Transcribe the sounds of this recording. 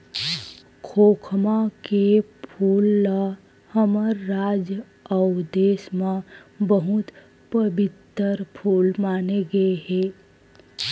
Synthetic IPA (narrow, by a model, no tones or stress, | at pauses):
kʰoːkʰmãkepʰuːlː | həməɾːaːd͡ʒ | əʊd̪eːsmãbəɦʊt̪ | pəbɪt̪əɾpʰuːlmaːneɡɐeɦɛː